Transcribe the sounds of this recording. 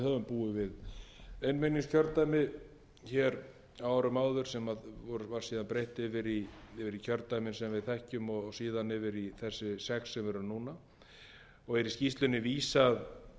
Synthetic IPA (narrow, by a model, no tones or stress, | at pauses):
hœvʏmpuːʏvɪðejnmeniŋscʰœɾt̪ːajmɪ | çɛːɾ | awaɾʏmaːwðʏɾ̥sɛmaðvɔɾvaɾ̥siːðanpɾejht̪ɪvɪɾivɪɾicʰœɾt̪ajmɪnsɛmvɪðθɛhcʏmɔɣsiːðanɪvɪɾiθɛsːɪsɛksːɛmvɛɾʏnuːna | ɔɣɛɾɪscist̪lʏnɪviːsað